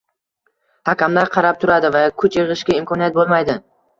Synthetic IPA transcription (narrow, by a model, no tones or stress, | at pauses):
hakʲamlaɾqʰɑɾap̚t̪ʰʊɾad̪ɪvakʰʊt͡ʃjɨʁɨʃɡʲaɪmkʰɒnijat̪̚bolˠmajd̪ɪ